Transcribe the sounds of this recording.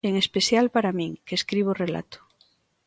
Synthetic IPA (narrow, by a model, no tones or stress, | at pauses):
eŋespesjalpaɾamĩŋkeskɾiβ̞orela̰t̪o̥